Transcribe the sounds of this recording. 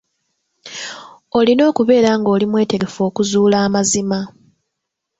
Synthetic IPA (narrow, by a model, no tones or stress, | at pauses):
o̞lino̞ːkuβe̞ːɾaŋɡo̞ːlimwe̞ːte̞ɡe̞fo̞ːkuzuːlaːmazima